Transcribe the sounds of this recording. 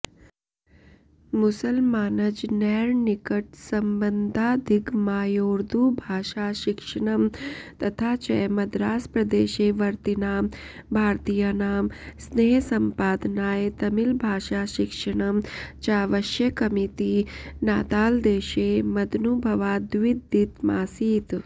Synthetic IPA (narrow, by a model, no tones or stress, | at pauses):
mʊsəlmaːnɐd͡ʒnɛːɾnikɐʈ̚sɐmbənd̪ʱaːd̪ʱikmaːjoːɾd̪ʱubʱaːʃaːʃɪkʂɐɳ̃ɐmt̪ɐt̪ʰaːt͡ʃɐjmɐd̪ɾaːspɾɐd̪eːʃeːʋɐɾt̪inaːmbʱaːɾt̪ijanaːmsneːɦsɐmpaːd̪naːjet̪ɐmilbʱaːʃaːʃɪkʂɐɳ̃ɐmt͡ʃaːʋɐʃjɐkɐmit̪inaːt̪aːld̪eːʃeːmɐd̪nubʱɐʋaːd̪ʋid̪it̪ma̰ːsiːt̪